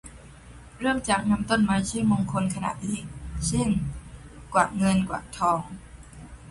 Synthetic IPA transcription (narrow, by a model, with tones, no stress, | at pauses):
ɾɤː˥˩mt͡ɕaː˨˩k̚na˧mt̪o˥˩nmaː˧t͡ɕʰɯː˥˩mo˧ŋkʰo˧nkʰa˧na̰ː˨˩t̪̚liː˨˧˩k̚t͡ɕʰe˥˩ŋ | kwa̰ː˨˩ŋɤ˧nkwa̰ː˨˩t̪ʰɔː˧ŋ